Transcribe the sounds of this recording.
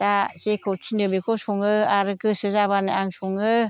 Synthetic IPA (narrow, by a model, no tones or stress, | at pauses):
d̥asekʰotʰinɯbekʰosɔŋɯaɾɯkɯsɯzabanɯaŋsuŋɯ